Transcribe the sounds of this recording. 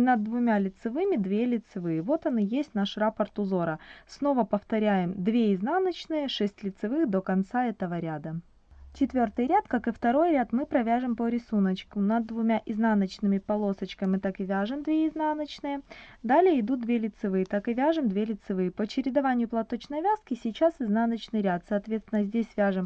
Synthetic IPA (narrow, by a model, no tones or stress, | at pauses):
nəd̪vʊmʲalʲɪt̪sɨvɨmʲɪd̪vʲelʲɪt̪sɨvɨjəvo̞t̪ɐnɨjesʲtʲnaʂrapərt̪ʊzo̞ɾəsno̞vəpəft̪ɐɾʲæjɪmd̪vʲeɪznanət͡ɕnɨjəʂɛsʲtʲlʲɪt̪sɨvɨxd̪o̞kɐnt̪saɛt̪əvəɾʲad̪ə | t͡ɕɪt̪vʲort̪ɨjɾʲat̪kakɨft̪ɐɾo̞jɾʲat̪mɨpɾɐvʲaʐɨmpəɾʲɪsunət͡ɕkʊnəd̪vʊmʲaʔɪznanət͡ɕnɨmʲɪpɐlˠo̞sət͡ɕkəmʲɨt̪akɨvʲaʐɨmd̪vʲeɪznanət͡ɕnɨjəd̪alʲɪjəɪd̪ut̪̚d̪vʲelʲɪt̪sɨvɨjət̪akɨvʲaʐɨmd̪vʲelʲɪt̪sɨvɨjəpəɐt͡ɕɪɾʲɪd̪ɐvanʲɪjʊplˠɐt̪o̞t͡ɕnɐjvʲaskʲɪsʲɪt͡ɕasɨznanət͡ɕnɨjɾʲat̪sɐːt̪vʲet̪st̪vʲɪnəzʲdʲesʲvʲaʐɨm